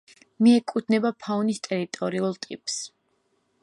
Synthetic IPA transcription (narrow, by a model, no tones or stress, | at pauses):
miɛkʼud̪nɛbapʰaɔnist̪ʼɛɾit̪ʼɔɾiulˠt̪ʼipʼs